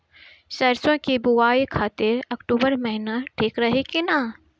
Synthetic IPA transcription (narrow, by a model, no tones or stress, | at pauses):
sɐɾsõkibuwaːekʰaːt̪eɾɐkʈuːbəɾmɐɦɪnaʈʰeːkɾɐɦekina